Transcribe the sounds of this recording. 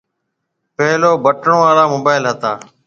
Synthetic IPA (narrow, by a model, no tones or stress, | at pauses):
peɦloːbəʈɳõːʋaːlaːmoːbaːɪlɦət̪aː